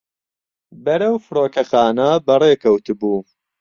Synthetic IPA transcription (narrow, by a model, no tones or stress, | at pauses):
bɐɾɐwfɨɾoːkɐxaːnɐbɐreːkʰɐwt̪ɨbuː